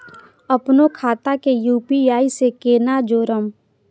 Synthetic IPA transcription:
əpnokʰaːt̪akejuːpiaːisekeːnad͡ʒoːɾəm

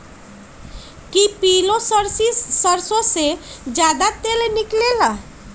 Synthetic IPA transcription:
kipilosəɾsisəɾsosed͡ʒad̪at̪elniklela

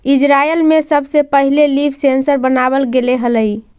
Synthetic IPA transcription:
id͡ʒɾaelmesəbsepəɦilelibʰsensəɾbənaβəlɡeleɦələj

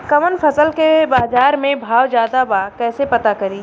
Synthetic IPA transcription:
kɐmənfʰɐsəlkebaːzaːɾmẽbʱaːwd͡ʒjaːd̪abaːkɛːsepɐt̪akɐɾiː

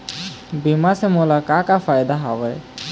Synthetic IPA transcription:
bimasɛmɔlakakafʰajd̪aɦawɛj

